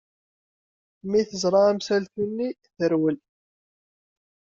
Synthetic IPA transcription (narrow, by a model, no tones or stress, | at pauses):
miθəzˤɾˤɑæmsælθunːi | θəɾwəl